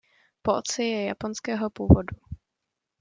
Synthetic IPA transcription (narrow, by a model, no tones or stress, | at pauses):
poʔot͡sɪjɛja̰po̞nskɛːɦo̞puːvodu